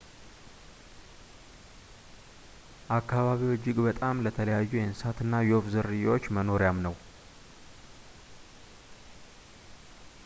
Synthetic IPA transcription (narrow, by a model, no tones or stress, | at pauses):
ʔakːaβaβiwɔd͡ʒːɪɡbət̪ʼamlət̪ʰələjajːujɛnsat̪ɨnːajofzɨɾɨjawot͡ʃːməno̞ɾjamnəw